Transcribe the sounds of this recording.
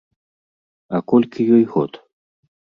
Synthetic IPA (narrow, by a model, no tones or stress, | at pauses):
akɔlʲkʲʰijɔjɣɔt̪